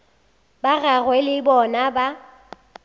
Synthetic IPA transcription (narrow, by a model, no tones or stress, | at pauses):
baɣaɣwɛlɪbɔnaba